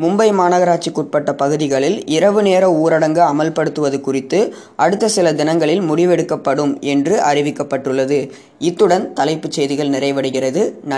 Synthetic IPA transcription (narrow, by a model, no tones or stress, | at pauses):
mʊmbɐɪmaːnɐɣɐɾaːʈ̚t͡ʃːikuːʈ̚pɐʈːɐpɐɣɯðɪɣɐɭɪlɪɾɐʋɯneːɾɐuːɾɐɽɐŋɡɯɐmɐlpɐɽɯt̪ːɯʋɐðɯkʊrɪt̪ːɯ | ʔɐɽɯt̪ːɐsɪlɐd̪ɪnɐŋɡɐɭɪlmʊɽɪʋɛɽɯkːɐpːɐɽɯmɛndrɯʔɐrɪʋɪkːɐpːɐʈːɯɭːɐðɯ | ɪt̪ːɯɽɐnt̪ɐlɐɪpːɯt͡ʃːɛjðɪɣɐɭnɪrɐɪʋɐɽɯɣɪrɐðɯnɐ